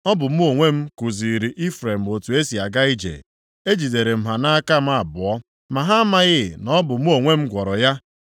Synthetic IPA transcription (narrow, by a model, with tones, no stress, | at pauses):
ɔ˦bʊ˨m̩˦o˨ŋʷe˦m̩˦ku˨zi˨ɾi˨ʔi˦fɾe˨m̩˨o˨tu˨e˦si˨a˨ɡa˦i˦d͡ʒḛ˨ | e˦d͡ʒi˨de˨ɾe˨m̩˨ɦa˨na˦ka˦˨m̩˦a˦˨bʊ˨ɔ˦ | ma˨ɦa˦a˦ma˦ɣɪ˦˨nɔ˦bʊ˨m̩˦o˨ŋʷe˦m̩˦ɡʷɔ˨ɾɔ˨ja˦